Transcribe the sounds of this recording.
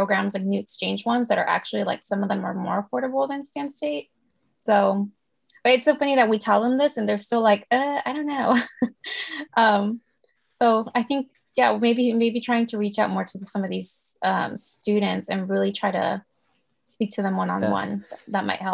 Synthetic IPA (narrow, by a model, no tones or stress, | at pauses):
pʰɹ̥oʊɡɹæ̃mzɨ̃nʉɨkst͡ʃʰẽɪ̃nd͡ʒwʌ̃nzðɨɾə̰˞ʔæ̰k̚t͡ʃʉl̩ˠila̰ɪksʌ̃mʌvðə̃mə̰˞mɔɹəfɔɹɾəbl̩ˠðɨ̃nstæ̃nsteɪt̚ | soʊ | b̥ʌɾɨtsɨfʌ̃niðɨt̚witʰɛlˠðə̃mðɪsɨ̃nðə˞z̥stɪlˠaɪkʌa̰ɪɾõʊ̃nːoʊ | ʔʌ̃m | soʊaɪθɪ̃ŋk | jæmeɪbimeɪbitʰɹ̥aɪɪ̃ŋtʰɨɹit͡ʃaʊt̚mɔɹɾɨsʌ̃mʌvðiz̥ʔʌ̃mstʉɾⁿn̩tsɨ̰̃nɹɪlˠitʰɹ̥aɪɾɨ̰ | spik̚tʰɨðə̃mʌ̃nə̰̃nwʌ̰̃nðɨt̚ðət̚mʔa̰ɪt̚hɛlˠ